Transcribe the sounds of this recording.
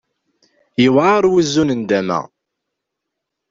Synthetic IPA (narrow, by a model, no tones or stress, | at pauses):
jəwʕaɾˤwizːunənd̪æmæ̰